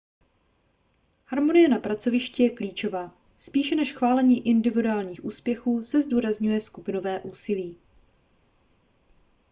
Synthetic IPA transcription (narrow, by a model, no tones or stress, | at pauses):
haɾmo̞nɪjɛnapɾat͡so̞vɪʃcɛjɛkliːt͡ʃo̞vaː | spiːʃɛnɛʃxvaːlɛɲiːʔɪndɪvɪduaːlɲiːxʔuːspjɛxuːsɛzduːɾazɲujɛskupɪno̞vɛːʔuːsɪliː